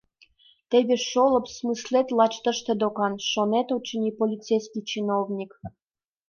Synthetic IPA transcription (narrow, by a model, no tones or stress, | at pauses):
t̪ebʲeʃolˠɤ̆psmɨslʲet̪ʲlˠɑt͡ɕt̪ə̆ʃt̪ĕd̪okɑnʃonet̪ut͡ɕːə̆nipolʲit̪t͡sejsʲkʲit͡ɕinovnʲik